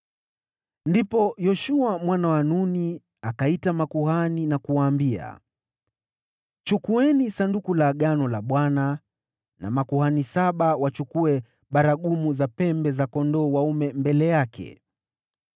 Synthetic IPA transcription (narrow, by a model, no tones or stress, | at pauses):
ndipɔjɔʃuamwanawanuni | akaitamakuhaninakuwaːmbia̰ | t͡ʃukuɛnisandukulaɠanɔlaɓwana | na̰makuhanisaɓawat͡ʃukuɛ | ɓaɾaɠumuzapɛmbɛzakɔndɔːwaumɛmbɛlɛjakʰɛ̰